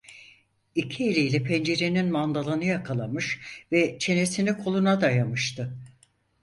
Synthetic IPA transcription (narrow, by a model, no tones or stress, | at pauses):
icʰielʲejlʲɛpʰɛnd͡ʒe̞ɾe̞ninmand̪alˠanɯjakʰalˠamɯʃvɛt͡ʃʰe̞ne̞sinikʰo̞lˠunad̪ajamɯʃt̪ʰɯ